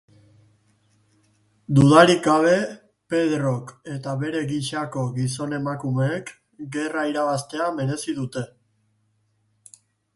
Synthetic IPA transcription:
d̪uðaɾiɡɡaβe̞ | pe̞ðɾo̞ke̞t̪aβe̞ɾe̞ɣiʃako̞ɣiso̞ne̞makumeːk | ɡe̞raiɾaβast̪e̞ame̞ɾe̞sið̞ut̪e̞

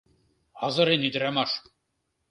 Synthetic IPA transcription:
ɑzɤ̆ɾenid̪ɾæmɑʂ

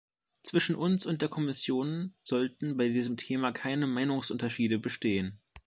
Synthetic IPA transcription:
t͡sv̥ɪʃn̩ʔʊnsʊnt̚d̥eːɐkʰɔmɪsjoːnz̥ɔltn̩baɪdiːzəmtʰeːmakʰaɪnəmaɪnʊŋsʔʊntɐʃiːdəbəʃteːən

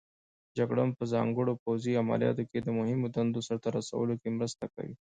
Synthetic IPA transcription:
d͡ʒaɡɽampəzɑŋɡəɽopowziama̰lijɑ̰t̪oked̪əmʊɦɪmod̪ɐnd̪osaɾt̪aɾasa̰wəlokemɾəst̪aka̰wḭ

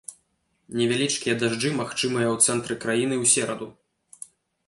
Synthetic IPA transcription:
nʲɛvʲalʲit͡ʂkʲijɐd̪aʐd͡ʐɨmaxt͡ʂɨmɨjɐwt̪sɛnt̪ɾɨkɾajin̪ɨwsʲɛɾɐd̪u

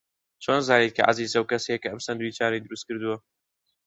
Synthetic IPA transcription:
t͡ʃoːnzaːnet̪̚kʰɐ̰ʕa̰ziːzɐwkɐsejekɐʔɐmsɐnd̪uit͡ʃaːnejd̪ɨɾust̪̚kɨɾd̪uwɐ

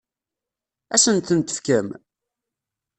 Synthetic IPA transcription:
æsənt̪ənt̪ə̥fkəm

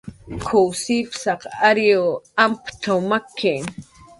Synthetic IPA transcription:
kʰowsipsaqaɾjoampt̪ʰowmakʰːe

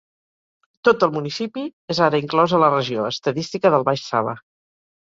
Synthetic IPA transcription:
t̪ot̪əlˠmunisipiezaɾəiŋklɔzələrəʒioəst̪əðist̪ikəðəlˠβaʃsa̰βə̰

